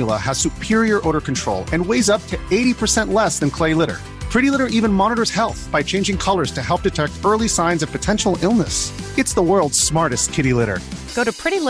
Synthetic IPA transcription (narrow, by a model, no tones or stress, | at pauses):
lˠə̰əz̥sʉpʰɪɹiə˞ʔoʊɾə˞kʰntʰɹ̥o̰ʊlˠɨ̃nweɪzʌp̚tʰɨeɪɾipʰə˞sɛ̃nʔlɛsðɨ̃nkʰl̥eɪlɪɾə̰˞ | pʰɹ̥ɪɾilɪɾə˞ʔivɨ̃nmɑnəɾə˞z̥hɛlˠθb̥aɪt͡ʃʰẽɪ̃nd͡ʒɪ̃ŋkʰʌlˠə˞z̥tʰɨhɛlˠp̚d̥ɨtʰɛk̚tɜ˞lˠisãɪ̃nzʌv̥pɨtʰɛ̃nʃl̩ˠɪlˠnəsɨtsðəwɜ˞lˠdz̥smɑɹɾɨs̚kʰɪɾilɪɾə̰˞ɡ̥oʊɾɨpʰɹ̥ɪɾi